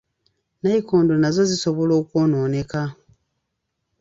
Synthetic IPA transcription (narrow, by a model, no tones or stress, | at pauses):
naikoːndo̞nazo̞zisoβo̞lo̞ːkwo̞ːno̞ːneka